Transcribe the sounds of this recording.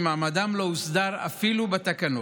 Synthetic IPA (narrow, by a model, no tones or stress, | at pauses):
maːmad̪amlousd̪aʁa̰filubet̪akano